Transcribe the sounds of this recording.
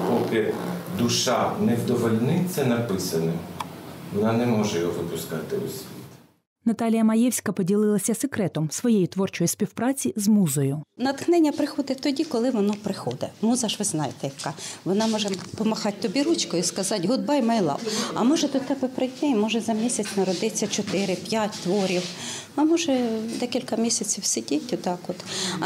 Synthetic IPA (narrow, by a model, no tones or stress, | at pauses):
pɔkɪd̪ʊʃɑnɛwd̪ɔʋɔlʲnɪt̪sɛnɐpɪsɐnɐ | ʋɔnɑnɛmɔʒɛjɦɔʋɪpʊskɑt̪ɪʊ̰sʲit̪ | nɐt̪ɑlʲijɐmɐjɛwsʲkɐpɔdʲilˠɪlˠɐsʲɐsekɾɛt̪ɔmsʋɔjejit̪ʋɔrt͡ʃɔjisʲpʲiwpɾɑt͡sʲizmuzɔjʊnɐt̪xnɛnʲːɐpɾɪxɔd̪ɛt̪ɔdʲikɔlˠɪʋɔnɔpɾɪxɔd̪ɛmuzɐʒʋɪznɑjɪt̪ɛjɐkɑʋɔnɑmɔʒɛpɔmɐxɑt̚ʲt̪ɔbʲiɾut͡ʃkɔjʊskɐzɑtʲɦʊd̪̚bɑjmɐjlˠɑ̰wɐ̰mɔʒɛd̪ɔt̪ɛbɛpɾɪdʲnʲɛjmɔʒɛzɐmʲisʲɐt͡sʲnɐɾɔd̪ɪt͡sʲːɐt͡ʃɔt̪ɪɾɪpʲjatʲt̪ʋɔɾʲiw | ɐmɔʒɛd̪ɛkʲilʲkɐmʲisʲɐt͡sʲiwsɪdʲitʲɔt̪ɑkɔt̪